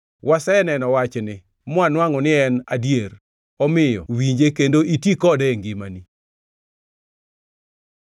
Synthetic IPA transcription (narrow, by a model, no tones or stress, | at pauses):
wʔasɛnɛnɔwat͡ʃnɪ | mʊanwaŋɔnɪɛnadjeɾ | ɔmɪjɔ̰wiɲd͡ʒekendoʔitikɔdɛŋɡɪmani